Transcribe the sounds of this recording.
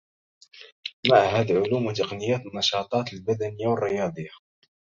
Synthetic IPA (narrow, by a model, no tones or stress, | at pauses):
maʕɦæːd̪aʕʊluːmwat̪ɑqnɪjæːt̪nːɑʃɑːt̪ˤɑːt̪lbad̪ænɪjːawərːɪjɑːd̪ˤəjːa